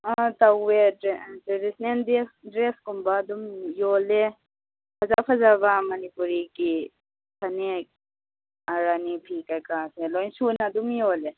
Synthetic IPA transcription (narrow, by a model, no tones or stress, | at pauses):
at̪ɐwetɾisnend̪esdɾeskumbad̪umjoːle | pʰɐzapʰɐzabamɐnipuɾiki | tʰɐne | ɐɾanipʰiːkakaːsẽlɔjnsunad̪umjoːle